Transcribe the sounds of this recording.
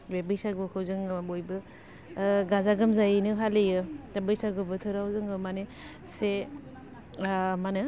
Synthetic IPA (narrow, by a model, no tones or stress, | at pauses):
bebɯjsaɡokʰɯwzɯŋbojbɯ | ɡazaɡɯmzajinɯpʰalejɯtabɯjsaɡɯbɯtʰɯɾawzɯŋɯmane | se | manɯ